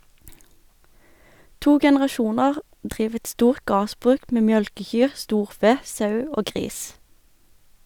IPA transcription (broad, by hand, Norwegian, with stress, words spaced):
ˈtuː ɡɛnəʁɑˈʃuːnɑʁ ˈdʁiːʋ ˈɛt ˈstuːʁt ˈɡɑːʁsˌbʁʉːk ˈmeː ˈmjœlkəˌçyːʁ ˈstuːʁˌfeː ˈsɑʉ ˈoː ˈɡʁiːs